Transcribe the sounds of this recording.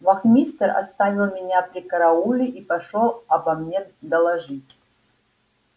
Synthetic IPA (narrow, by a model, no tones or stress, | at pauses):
vɐxmʲist̪ərɐ̰st̪avʲilˠmʲɪnʲapɾʲikɐɾɐulʲɪʔipɐʂolˠɐbɐmnʲed̪ɐlˠɐʐɨtʲ